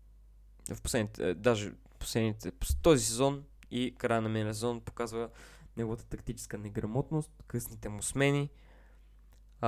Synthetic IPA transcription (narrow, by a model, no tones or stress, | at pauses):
fposlɛd̪nit̪ɛd̪aʒɛ̰ | fpo̥slɛd̪nit̪ɛpt̪ɔzisɛzɔn | ikɾajənɐminɛls̬ɛzɔnpo̥kazvə | nɛɡovɐt̪ə̥t̪ɐkt̪it͡ʃɛ̥skənɛɡɾɐmɔt̪nost̪kɤsnit̪ɛmusmɛni